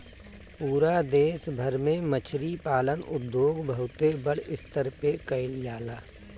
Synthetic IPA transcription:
puːɾad̪eːsbʱəɾmẽmət͡ʃʰɾipaːlənʊd̪ːjoːɡbəɦʊt̪ebəɽɪst̪əɾpekəɪljaːlaː

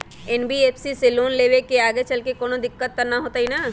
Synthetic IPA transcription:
ɛnbieːpʰsiseloːnleːʋekeaːɡet͡ʃɐlkekoːnod̪ɪkːət̪̚ːɐɾnaɦoːt̪aɦina

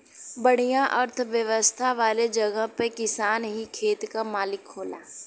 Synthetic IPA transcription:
bəɽ̤ijãʔəɾt̪ʰʋjəʋəst̪ʰaʋaːled͡ʒɐɡəɦpekɪsaːnɦikʰeːt̪kamaːlɪkʰːoːla̰ː

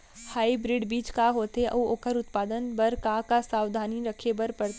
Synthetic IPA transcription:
haːibɾɪɖbiːt͡ʃkaɦoːt̪eʔɐoːkəɾʊt̪paːd̪ənbɐɾkakasaːwd̪ʱaːniɾɐkʰebɐɾpɐɾt̪

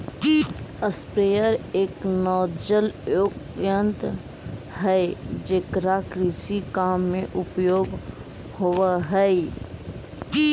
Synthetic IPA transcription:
əspɾeːjəɾeːknɔːd͡ʒəljokjə̃nt̪ | ɦɛd͡ʒeːkɾakɾiːsikaːmːẽʔʊpjoːɡ | hoʋaɦɛ

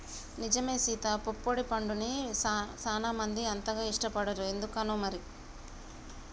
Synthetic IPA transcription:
nid͡ʒɐmeːsiːt̪ɐpopːoɽipɐɳɖunisaːnaːmɐnd̪iɐnt̪ɐɡaːiʂʈɐpɐɽɐɾuend̪ukɐːnuːmɐɾi

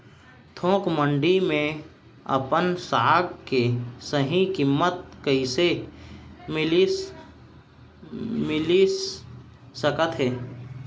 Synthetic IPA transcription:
t̪ʰõːkmə̃ɳɖimẽ | ə̰pənsaːɡkesəɦĩkɪmːət̪̚kəise | mɪl | mɪli | səkət̪ɦɛː

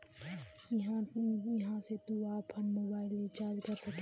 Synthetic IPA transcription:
jɦãjɐɦãset̪uaːpʰənmoːbaːɪlit͡ʃaːɾd͡ʒkəɾsɐk

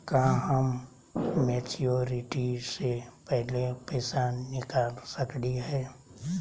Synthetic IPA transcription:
kaɦəmː | eːt͡ʃijoːɾɪʈisepɛɦlepɛːsanɪkaːlsəkdiɦɛː

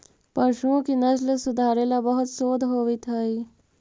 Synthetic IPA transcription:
pəɾʃũkinɐsləsud̪ʱaːɾelabəɦut̪soːd̪ʱɦoːʋit̪ʰəi

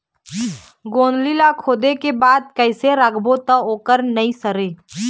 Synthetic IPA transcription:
ɡoːnlilakʰoːd̪ekebaːd̪̚kəɪseɾəɡbot̪əoːkəɾnɐɦĩsəɾeː

